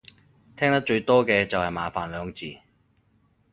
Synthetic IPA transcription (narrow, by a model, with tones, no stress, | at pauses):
t̪ʰɛː˥ŋt̪ɐ˥k̚t͡ʃɵ˧ɥt̪ɔː˥kɛː˧t͡sɐ˨whɐ˨jmaː˨faː˨nlœː˨˧ŋt͡siː˨˩